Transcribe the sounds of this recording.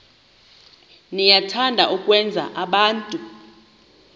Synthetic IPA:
nijatʰandʱaʔukʼwɛnd͡zʱa̰ʔaɓaːntʼu

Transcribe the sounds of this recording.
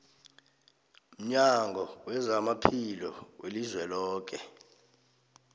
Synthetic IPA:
m̩ɲaŋɡʱɔwɛzamapʰilɔwelizwɛlɔːk̬ɛ

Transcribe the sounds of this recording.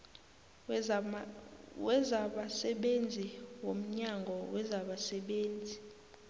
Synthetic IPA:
wɛzaɓasɛɓend͡zʱiwom̩ɲaŋɡʱɔwɛzaɓasɛɓeːnd͡zʱi

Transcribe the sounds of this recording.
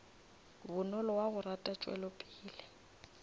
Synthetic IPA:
bʊnɔlɔwaɣʊratʼat͡ʃʼwɛ̰lɔpʼiːlɪ

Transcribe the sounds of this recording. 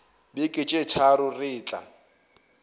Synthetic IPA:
bɪkʼɪt͡ʃʼɪt͡ʃʰaɾʊrɪːt͡ɬʼa̰

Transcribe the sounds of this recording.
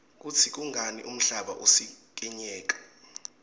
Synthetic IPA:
k̬ut͡sʰik̬ʼuŋɡʱaniʔum̩ɬaɓa̰ʔusi | k̬ʼɛɲɛːk̬ʼḁ

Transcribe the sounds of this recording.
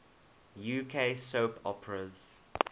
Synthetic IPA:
juːkʰesoʊpʰɔ̰pəɹəz̥

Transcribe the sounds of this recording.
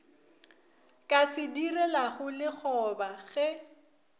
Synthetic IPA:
kʼasɪdirɛlaχʊlɪχɔbaɣɛ

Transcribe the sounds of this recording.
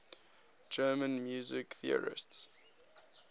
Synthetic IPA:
d͡ʒɜːmə̃nmjuːzɪkθiə̰ɹɪ̰sts

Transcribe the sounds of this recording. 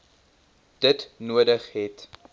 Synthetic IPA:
d̥ətnuədəχɦɛt

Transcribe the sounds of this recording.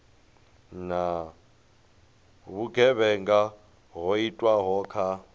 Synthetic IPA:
na | βuɡʱɛβɛŋɡa | ɦoitʼwaɦɔkʰa

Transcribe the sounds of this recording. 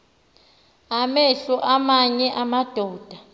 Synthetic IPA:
amɛɬɔʔamaɲɛʔamad̥ʱɔːd̥ʱa

